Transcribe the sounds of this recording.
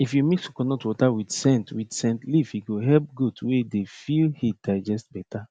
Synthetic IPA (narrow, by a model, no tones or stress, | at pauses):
ifjumisukɔnɔtwɔtawidsɛ̃ntwidsɛ̃ntlifhiɡoɦɛlp̚ɡudwedefilhid̥aɪd͡ʒɛst̚bɛta